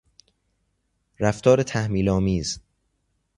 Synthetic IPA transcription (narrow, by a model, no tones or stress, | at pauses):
ɾæft̪ʰɒːɾet̪ʰæhmiːlɒːmiːz